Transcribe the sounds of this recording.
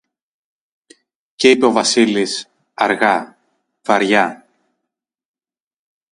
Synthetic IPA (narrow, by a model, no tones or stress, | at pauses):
ceipe̞o̞vɐsilis | ɐɾɣɐ | vɐɾʝɐ